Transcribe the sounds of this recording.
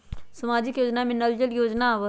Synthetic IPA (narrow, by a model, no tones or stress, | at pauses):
sɐmaːd͡ʒɪkjoːd͡ʒnamẽnɐld͡ʒəljoːd͡ʒnaʋə